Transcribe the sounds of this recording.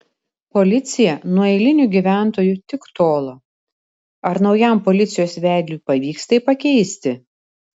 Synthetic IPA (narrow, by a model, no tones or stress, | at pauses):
pɔlʲɪt̪sʲɪjɛnuɔɛɪlʲɪnʲuɡʲiːʋʲæˑnt̪oːjut̪ʲɪkt̪oːlˠoː | ɐɾnɒʊjæmpɔlʲɪt̪sʲɪjoːsʋʲæˑɪd̪ʲlʲuːˑpɐʋʲiːkst̪ɐɪpɐkʲɛɪsʲt̪ʲɪ